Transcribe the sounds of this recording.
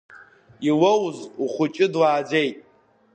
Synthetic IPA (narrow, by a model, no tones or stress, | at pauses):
iwowzuχʷʊt͡ʃʼɪdwaːd͡ʒejtʼ